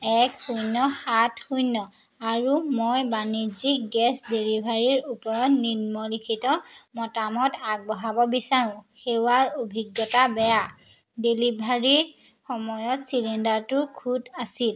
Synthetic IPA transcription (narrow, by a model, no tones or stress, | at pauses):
ɛkhujnɔhatxujnːɔ | aɹumojbanizik̚ɡɛsdelibʱaɹiɹupɔɹɔtninmɔlikʰitɔmɔtamɔtaɡ̚bɔɦabɔbisaɹʊ̃xewaɹobʱiɡːɔtabɛja | delibʱaɹi | xɔmɔjɔtsilendaɹtʊkʰudasil